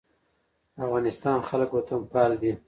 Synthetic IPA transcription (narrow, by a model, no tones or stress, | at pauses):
afɣɑnɪst̪ɑnxaləkwot̪ʰampɑld̪i